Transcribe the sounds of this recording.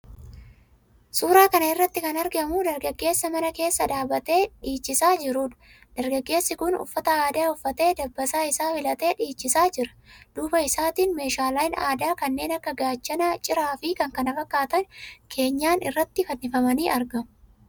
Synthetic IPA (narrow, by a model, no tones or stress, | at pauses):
suːɾaːkɐnɐɪrːɐt̪ːɪkɐnɐɾɡɐmud̪ɐɾɡɐɡːe̞ːsːɐmɐnɐke̞ːsːɐᶑ̪aːbɐt̪e̞ːᶑiːt͡ʃːɪsaːd͡ʒɪɾuːᶑ̪ɐ̥ | d̪̥ɐɾɡɐɡːe̞ːsːɪkʊnʊ̰fːɐt̪ɐaːd̪aːʊfːɐt̪e̞ːd̪ɐbːɐsaːɪsaːfɪlɐt̪e̞ːᶑiːt͡ʃːɪsaːd͡ʒɪɾɐ̥d̪̥uːbɐɪsaːt̪iːnme̞ːʃaːlaːjɪnaːd̪aːkɐnːe̞ːnɐkːɐɡaːt͡ʃːɐnɐt͡ʃʼːɪɾaːfɪkɐŋkɐnɐfɐkːaːt̪ɐnkʰe̞ːɲːaːnɪrːɐt̪ːɪfɐnːɪfɐmɐniːɐɾɡɐmʊ